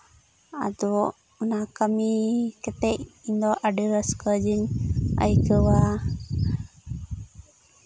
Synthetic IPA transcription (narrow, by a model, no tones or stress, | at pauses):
a̰d̪ɔ | ɔnakamikɛt̪ɛciɲd̪ɔʔaɖəɾəskəd͡ʒiɲə̰jkəwa